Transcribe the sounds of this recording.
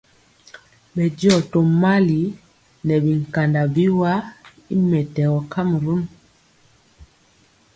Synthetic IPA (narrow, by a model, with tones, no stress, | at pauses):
bɛ˨d͡ʒɔ˦˨to˨ma˦li˨˦ | nɛ˨bi˨ŋ˨ka˨nda˨bi˦wa˦ | i˦mɛ˨tɛ˨wɔ˨ka˦m˨ɾu˦n